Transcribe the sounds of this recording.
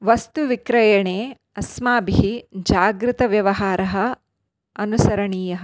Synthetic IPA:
ʋɐst̪uʋikɾɐjɐɳeː | ɐsmaːbiɦid͡ʒaːɡɾɪt̪ɐʋjɐʋɐɦaːɾɐɦɐ | ɐnusɐɾɐɳiːjɐɦɐ

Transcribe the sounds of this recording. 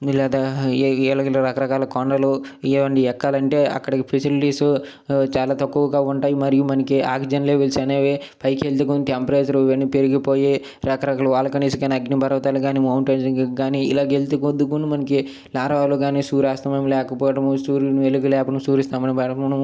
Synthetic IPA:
lɛːd̪aːɛlɐɡlɐɾɐkɐɾɐkaːlɐkɔɳɖɐloʋɐɳɖiɛkːaːlɐɳʈeːɐ̰kːɐɽɐkipʰisiliʈiːsu | t͡ʃaːlaːt̪ɐkːuːɡaːuɳʈaːjimɐɾijumɐnɐkiaːɡd͡ʒɐnleːʋelsɐneːʋepɐjkelt̪̬ek̬unt̪ɐmpɾeːsɐɾuʋenːipeɾiɡipoːji | ɾɐkɐɾɐkaːlɐʋaːlɐkɐniːsuɡaːniɐɡnibʱɐɾʋɐt̪aːluɡaːnimɐwɳʈeːd͡ʒɐɡaːniḭlaːɡelt̪ukod̪ukunimɐnɐki | laːɾɐʋaːloːɡaːniːsuːɾaːst̪ɐmeːmlɛːkɐpɔːɐʈɐmusuːɾnuʋeluɡilɛːpɐɽɐmsuːɾist̪aːmɐnibɐʈɐmuɳɐ

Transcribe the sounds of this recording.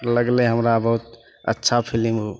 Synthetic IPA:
ləɡleɦəmɾabəɦut̪ | ə̰tːʃʰapʰilim

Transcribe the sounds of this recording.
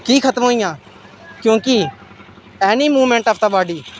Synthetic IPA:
kiːkʰət̪mɦoːijãː | kjõːkɪ | ɛːniːmuːʋmẽːɳʈaːpt̪aːbaːɖiː

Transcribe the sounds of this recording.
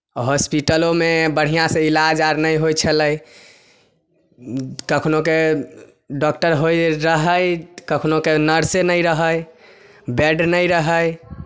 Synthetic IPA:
ɦɔspiʈəlomebəɽ̤ijãsẽilad͡ʒaɾnəjɦojt͡ʃʰələj | kəkʰnoke | ɖɔkʈəɾɦojɾəɦəjkəkʰnokenəɾsenəjɾəɦəj | bɛɖnəjɾəɦəj

